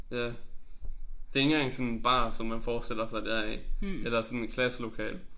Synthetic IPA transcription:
jæ | d̥e̝e̝ŋɡ̥ɑŋsɒ̽nb̥ɑ̰̈ːsɒ̽mːænfɒ̥ːsd̥el̰ɐsɑ̈ɪd̥æɐ̰ielɐsɒ̽nekʰlæslo̝kʰɛ̰ːl

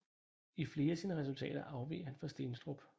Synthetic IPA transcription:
ifle̝ːɐæsiːnəʁɛs̬ult͡sʰɛ̰ːɾ̥ɐʔɑ̈ʊʋḭːhænfɒ̽sd̥e̝ːnsd̥ʁob̥

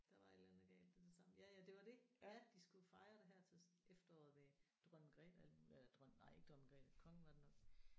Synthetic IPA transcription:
d̥ɑ̈ʋɑ̈e̝d̥lænð̩ˠæɡ̥ɛ̰ːl̥ed̥e̝sɑ̈mjæjæd̥e̝ʋɑ̈d̥e̝æd̥isɡ̥ufɑ̈ɪʁɐɾ̥eɦæɐ̰t͡sʰe̝sefd̥ɐɒ̰ːð̩ˠʋed̥ʁɶn̰ɡ̥ʁɛ̰ːd̥æl̰d̥muːlelɐd̥ʁɶn̰nɑ̈ɪ̰e̝ɡ̥əd̥ʁɒnɡ̥ʁɛ̰ːd̥kʰɒ̽ŋn̩ʋɑ̈d̥enɒ̽ɡ

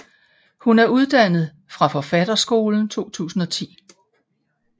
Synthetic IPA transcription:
hunæɐuð̞ˠd̥æn̰ð̞̩ˠ | fʁɑ̈fɒ̽fæd̥ɐsɡ̥o̝ːln̩t͡sʰo̝̰ːt͡sʰṵːsn̩ɒ̽t͡sʰḭː

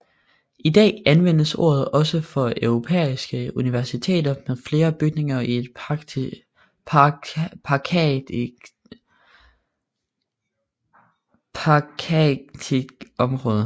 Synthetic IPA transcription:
ʔid̥ɛ̰ːænʋen̰əso̝̰ːɐð̞̩ˠɒ̽səfɒ̽œʊʁo̝pʰḛisɡ̥əuniʋæɐsit͡sʰe̝̰ːdɐmeðˠfle̝ːɐb̥yɡ̥̚ne̝ŋɐie̝d̥̚ | pʰɑ̈kʰ | pʰ | t͡sʰiɡ̥ɒ̽mʁɔ̽ːð̞ˠə

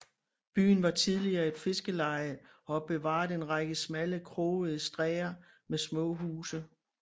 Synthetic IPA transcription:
b̥y̰ːn̩ʋɑ̈t͡sʰið̞ˠliɐːe̝d̥fe̝sɡ̥əlɑ̈ɪʔɒ̽b̥e̝ʋɑ̰̈ːð̩ˠe̝nʁɑɡ̥əsmæləkʰʁoːəð̩ˠəsd̥ʁɛ̰ːɐ | mesmɔ̰̽ːɦuːsə

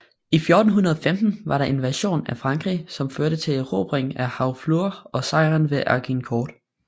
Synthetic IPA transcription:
ifjoːd̥n̩ɦunɐðˠɒfemd̥n̩ʋɑ̈ɾɑ̈ʔe̝nʋæɐɕo̝̰ːnæfʁɑ̈ŋɡ̥ʁḭsɒ̽mføɐɾət͡sʰe̝lʁo̰ːb̥ʁeŋæhɑ̈ʊfluɐɒ̽sɑ̈ɪʁænʋe̝ʔɑɡ̥inkʰɒːd̥

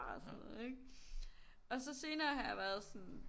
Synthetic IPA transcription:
snɔð̩ˠeɡ̥ | ʔɒ̽sɒ̽se̝ːnɐːɦhɑ̈jɑ̈ʋæɐð̞̩ˠsɔn̩

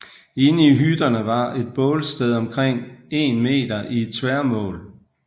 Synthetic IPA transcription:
e̝nəiɦyd̥ɐnəʋɑ̈e̝d̥̚b̥ɔ̽ːlsd̥eð̞ˠɒ̽mkʰʁeŋ̰e̝̰ːnme̝̰ːd̥ɐʔie̝d̥sʋæɐ̰mɔ̰̽ːl

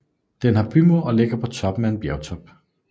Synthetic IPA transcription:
d̥enɦɑ̈b̥ʰymoɒ̽le̝ɡ̥ɐpʰɒ̽t͡sʰɒ̽b̥m̩ee̝nb̥jɛʊt͡sʰɒ̽b̥

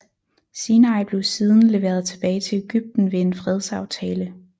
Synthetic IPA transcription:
siːnɑ̈ɪb̥le̝ʊsiːð̞ˠən̩le̝ʋe̝ːɐð̞ˠt͡sʰe̝b̥ɛːɪt͡sʰe̝leɡ̥yb̥̚d̥n̩ʋe̝enfʁɛð̞ˠsɑ̈ʊt͡sʰɛːlə

